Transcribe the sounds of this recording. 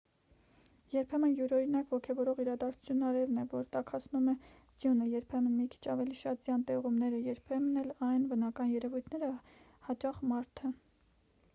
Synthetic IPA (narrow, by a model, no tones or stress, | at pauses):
jɛɾpʰɛmənjuɾɔinɑkvɔkʰɛvɔɾɔʁiɾɑd̪ɑɾt͡sʰu̥t͡sʰjunːɑɾɛvnɛvɔɾt̪ɑkʰɑt͡sʰnumɛ | d͡zjunəjɛɾpʰɛmənmikʰi̥t͡ʃʰɑvɛliʃɑt̪̚zjɑnt̪ɛʁumnɛɾəjɛɾpʰɛmənɛlɑjnvənɑkɑnjɛɾɛvujt̪ʰnɛɾə | hɑt͡ʃɑχmɑɾt̪ʰə